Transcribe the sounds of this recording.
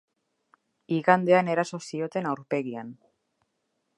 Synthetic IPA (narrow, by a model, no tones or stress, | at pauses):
iɣand̪e̞ane̞ɾaso̞sio̞t̪e̞nawɾpe̞ɣian